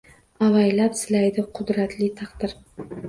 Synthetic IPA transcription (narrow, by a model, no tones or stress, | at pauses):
avajlapsɪlajd̪ɪqʰʊd̪ɾat̪ʰlɪt̪ʰɑqd̪ɪɾ